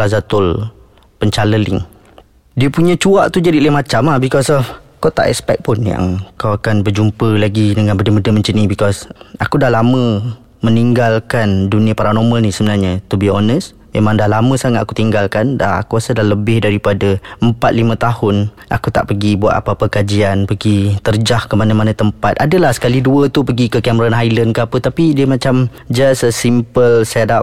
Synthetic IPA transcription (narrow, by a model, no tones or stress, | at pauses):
lazat̪ʊl | pəɲt͡ʃaləlɪ̰ŋ | diəpuɲə̃t͡ʃuaʔt̪ud͡ʒadiləmat͡ʃamahbikɔsɔfkɔt̪a̰ʔɛ̰kspɛk̚pʊnja̰ŋkawakanbəd͡ʒumpəlaɡidəŋanbədəmədəməɲt͡ʃənibikɔsakudahlamə̃ | məniŋɡalkanduniapaɾanɔməlnisəbənarɲət̪ubiɔnəs | memãŋdalamə̃saŋat̪̚aku̥t̪iŋɡalkandaa̰kuasədaləbɪhdaɾipadaəmpat̪̚limə̃t̪ahʊn | ʔa̰kut̪a̰ʔpəɡibua̰t̪̚apapəkad͡ʒianpəɡit̪ərd͡ʒahkəmanəmanãt̪əmpat̪̚adəlahsə̥kaliduət̪upəɡikəkɛməɾanɦajlənkəapət̪apidiəmat͡ʃam | d͡ʒassimpəlsdap